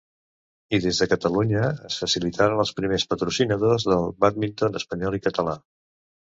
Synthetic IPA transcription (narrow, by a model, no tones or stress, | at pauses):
iðezðəkət̪əluɲəəsfəsilit̪ʰaɾənəlˠspɾimespət̪ɾusinəðozðəlˠβat̪̚mint̪onəspəɲɔlˠikət̪əla